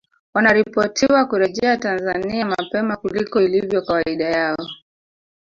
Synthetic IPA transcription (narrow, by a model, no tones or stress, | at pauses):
wanaɾipɔtʰiwakuɾɛʄɛatanzaniamapɛmakulikɔilivjɔkawaiɗajaɔ